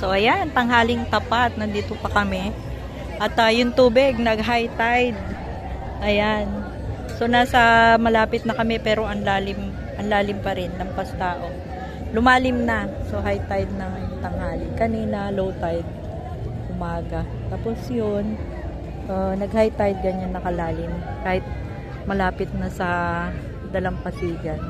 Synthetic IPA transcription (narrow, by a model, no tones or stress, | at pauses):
so̞ʔɐjant̪ɐŋɦaːlɪŋt̪ɐpat̪̚nɐnd̪iːt̪o̞pɐkɐmɛ | ʔɐt̪ɐjʊŋt̪uːbɪɡ̚nɐɡ̚ɦajt̪ajd̪̚ | ʔɐjan | so̞naːsɐmɐlaːpɪt̪̚nɐkɐmɛpɛːɾo̞ʔɐnlaːlɪm | ʔɐnlaːlɪmpɐɾɪnːɐŋpɐst̪aːʔo̞ | lʊmaːlɪmnɐso̞ɦajt̪ajd̪̚nɐŋjt̪ɐŋaːlɪnkɐniːnɐlowt̪ajd̪̚ | ʔʊmaːɡɐ | t̪aːpo̞sjon | ʔɐnɐɡ̚hajt̪ajd̪̚ɡɐnannɐkɐlaːlɪmkaːhɪt̪̚ | mɐlaːpɪt̪̚nɐsɐ | d̪ɐlɐŋpɐt̪iːɡɐn